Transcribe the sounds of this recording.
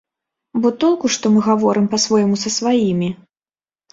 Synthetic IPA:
bɔt̪ɔlˠkuʂt̪ɔmɨɣavɔɾɨmpɐsvɔjmusɐsvajimʲi

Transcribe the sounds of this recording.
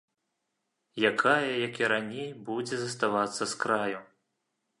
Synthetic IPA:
jakʰajɐjɐkiɾanʲejbud͡zʲɛzɐst̪avat̪sːɐskɾaju

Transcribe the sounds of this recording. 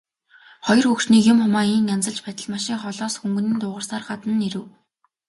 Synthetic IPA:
χɔj̆rxɵkʃniːkjʊmχʊmaːiːnjant͡sə̆ɮt͡ɕpæt̪ʲə̆ɮmaʃiːŋχɔɮɔːsxuŋɡɵ̆niːnt̪ʊːʁə̆rsaːrɢat̪ə̆nːiɾɘ̆w

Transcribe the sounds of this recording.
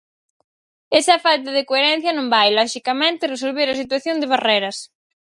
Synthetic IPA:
esɐfalt̪ɐðekoeɾɛn̟θjɐnõmbajlɔʃikɐmẽnt̪ɪresolβeɾɐsit̪waθjond̪eβ̞arejɾɐs

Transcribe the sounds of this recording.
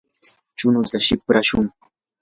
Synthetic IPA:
t͡ʃʊnʊt̪aʃɪpɾaʃʊŋ

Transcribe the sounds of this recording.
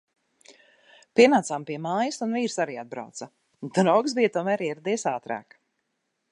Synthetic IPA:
piɛnaːt̪saːmpiɛmaːjɐsunviːɾsaɾiːad̪̚bɾa̰wt̪sa | d̪ɾɔwksbijt̪uɔmæːɾiɛɾɛd̪ijsaːt̪ɾa̰ːk

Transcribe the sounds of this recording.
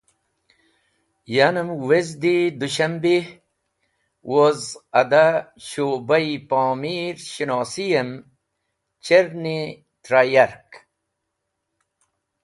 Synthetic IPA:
janəmwezd̪id̪uɕɐmbi | wozɐd̪aɕoːbɐjpaːmiɾɕinɑːsijɐm | t͡ɕeɾni | t̪ɾajaɾk

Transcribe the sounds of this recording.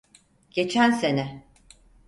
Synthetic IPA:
ɟ̥e̞t͡ʃʰænse̞nɛ

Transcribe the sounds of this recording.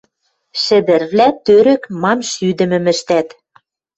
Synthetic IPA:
ʃɘ̆d̪ɘ̆rβlæt̪øɾɘ̆kmɑmʃyd̪ɘ̆mɘ̆mɘ̆ʃt̪æt̪

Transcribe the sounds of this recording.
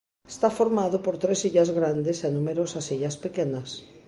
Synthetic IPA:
e̥st̪afoɾmaðopoɾt̪ɾesiʎazɣɾand̪esenumeɾosɐsiʎɐspekenɐs

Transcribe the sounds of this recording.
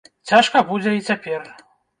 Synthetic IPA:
t͡sʲaʂkɐbud͡zʲɛit͡sʲapʲɛr

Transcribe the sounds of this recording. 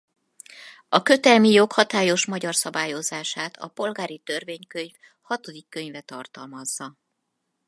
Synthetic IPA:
ɒkø̞t̪ɛlmijo̞khɒt̪aːjo̞ʃmɒɟɒrsɒbaːjo̞zaːʃaːt̪ʰɒ̰po̞lɡaːɾit̪ø̞rveːɲkø̞ɲf | hɒt̪o̞d̪ikːø̞ɲvɛt̪ɒrt̪ɒlmɒzːɒ

